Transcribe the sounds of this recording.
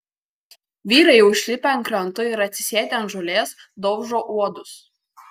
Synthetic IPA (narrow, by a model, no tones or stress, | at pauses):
ʋʲiːɾɐɪʊʃʲlʲɪpʲɛnkɾɐnt̪ʊɪɾɐt̪ʲsʲɪ̥sʲeːt̪ʲɛnʒɔlʲeːsd̪ɔʊʒoːʔuɔd̪ʊs